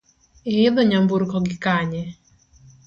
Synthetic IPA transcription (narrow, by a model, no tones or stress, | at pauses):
ɪːðɔɲambuɾkɔɡɪkaɲɛ